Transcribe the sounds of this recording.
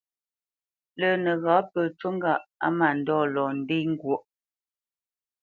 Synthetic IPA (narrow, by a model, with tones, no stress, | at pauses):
lə˨nə˨ɣaː˨˦pəː˨t͡ʃwo˦ŋ˦ɡa˦˨ʔa̰˦ma˨n̩˨dɔː˦˨lɔ˨n̩˦de˦ŋ̩˦ɡwo˦˨ʔ